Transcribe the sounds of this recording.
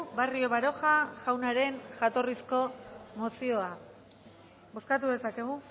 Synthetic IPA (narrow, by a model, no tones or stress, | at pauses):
bario̞βaɾo̞xaʝawnaɾe̞nʝat̪o̞risko̞mo̞sio̞a | bo̞skat̪uðe̞sake̞ɣ̞u